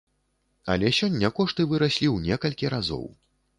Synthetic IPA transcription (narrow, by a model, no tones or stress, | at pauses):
a̰lʲɛsʲɔnʲːɐkɔʂt̪ɨvɨɾasʲlʲiwnʲɛkɐlʲkʲiɾazɔ̰w